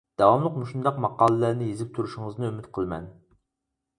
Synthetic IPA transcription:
d̪̥ɑwɑmlˠəqmuʃund̪ɑqmɑqɑːlˠɨlæɾnɪjezɪp̚t̪ʰuɾuʃɪŋəznɨymyt̪qʰəlˠmɛ̰n

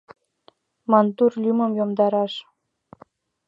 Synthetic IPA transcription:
mɑnt̪urlʲymə̆mjomd̪ɑɾɑʃ

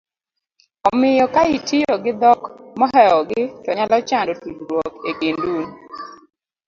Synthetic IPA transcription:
ɔmɪjɔkaitʰijoɡɪd̪ɔkmɔɦɛɔɡɪtɔɲalɔt͡ʃandotud͡ʒɾwɔkeɡendun

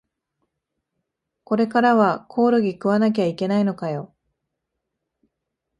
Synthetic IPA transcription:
ko̞ɾe̞kaɾaβakʰo̞ːɾoɡʲikɯ̟βanak̬ʲaike̞naino̞kajo̞

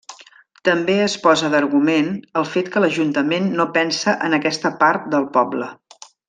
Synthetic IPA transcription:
t̪əmbeəspɔzəðəɾɣumenəlˠfet̪kələʒunt̪əmenːopɛnsəʔənəkɛst̪əpaɾt̪̚d̪əlˠpɔblə

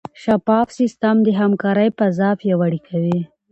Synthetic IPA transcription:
ʃapɑfsist̪amd̪əɦamkɑɾəjpazɑfjawaɽikʰawi

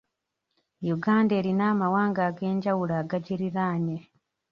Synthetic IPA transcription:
juɡaːnde̞ːɾinaːmawaːŋɡaːɡe̞ːɲɟawulaːɡaɟiɾiɾaːne

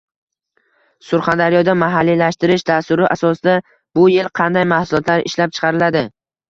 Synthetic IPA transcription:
sʊɾχand̪aɾɪjɒd̪amaɦalːilaʃt̪ɪɾɪʃd̪ast̪ʊɾɪʔasɒsɪd̪a | bʊjelˠqʰɑnd̪ajmahsʊlˠɒt̪ʰlaɾɪ̰ʃlap̚t͡ʃʰɨ̥qʰɑɾɪlad̪ɪ

